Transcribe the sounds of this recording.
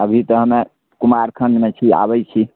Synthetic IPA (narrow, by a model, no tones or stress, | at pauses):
əbʱit̪əɦəme | kumaɾkʰənd̪met͡ʃʰia̰bəjt͡ʃʰi